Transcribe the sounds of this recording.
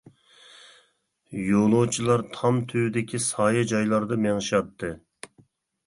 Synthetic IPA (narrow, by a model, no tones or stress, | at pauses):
jolˠot͡ʃʰilˠɑɾt̪ʰɑmt̪ʰywd̪ɪkʲʰisɑːjɑd͡ʒɑjlˠɑɾd̪ɨmeŋʃɑt̪ʰːɨ